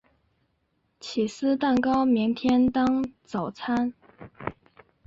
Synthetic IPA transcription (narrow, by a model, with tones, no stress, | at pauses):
t͡ɕʰi˨˩sɹ̩˥t̪a˥˩nkɑ˥ʊmi˧˥ŋt̪ʰjɛ˥nt̪ɑ˥ŋt͡sɑ˨˩ʊt͡sʰa˥n